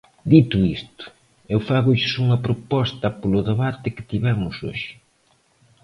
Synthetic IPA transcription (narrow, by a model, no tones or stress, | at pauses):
d̪it̪ʊist̪ʊ̥ | ewfaɣʊʎɪsuŋɐpɾopɔst̪ɐpolʊðeβat̪ɪkɪ̥t̪iβɛmʊso̰ʃɪ̥